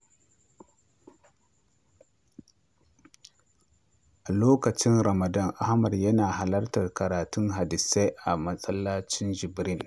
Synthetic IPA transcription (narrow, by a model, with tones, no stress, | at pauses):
ʔa˨loː˦ka˨t͡ʃi˦nɾa˨ma˨da˦nʔa˦hma˨djɐ˦na˨ɦa˨lɐ˦ɾta˨rka˨ɾaː˨tu˦nɦa˨di˨se˦ʔa˨mɐ˦sʼɐ˦lːa˦t͡ʃi˦nd͡ʒi˨bɾi˦n